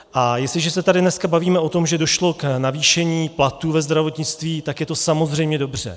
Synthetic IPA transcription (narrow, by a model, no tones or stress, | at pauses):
ʔajɛstlɪʒɛsɛt̪adɪnɛskabaviːmɛʔo̞t̪o̞mʒɛdo̞ʃlo̞knaviːʃɛɲiːplat̪uvɛzd̪ɾavo̞t̪ɲɪt͡st̪viːt̪akjɛt̪o̞samo̞zr̝ɛjmɲɛdo̞br̝̥ɛ̰